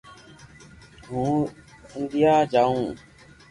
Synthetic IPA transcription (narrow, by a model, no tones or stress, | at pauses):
ɦũː | ɪnd̪ɪjaːd͡ʒaːũː